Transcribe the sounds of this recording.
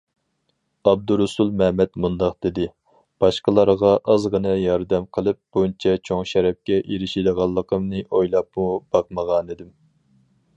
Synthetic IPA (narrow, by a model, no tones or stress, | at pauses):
ɑb̚d̪uɾusulˠmɛmɛt̪mund̪ɑq̚d̪̥ɪd̪ɪ | b̥ɑʃqəlˠɑɾʁɑʔɑzʁənɨjɑɾd̪ɛmqʰəlˠɨp̚b̥ont͡ʃʰɛt͡ʃʰoŋʃɛɾɛp̚kʲɛʔeɾɪʃid̪əʁɑlˠːəqʰəmnɨʔojlˠɑp̚mub̥ɑqməʁɑnid̪ɪm